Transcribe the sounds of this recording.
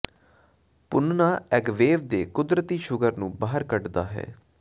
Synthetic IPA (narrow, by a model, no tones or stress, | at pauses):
pʊnnaːɛɡʋeːʋd̪eːkʊd̪ɾət̪iːʃʊɡəɾnũːbaːəɾkəʈd̪aːɦɛ̰ː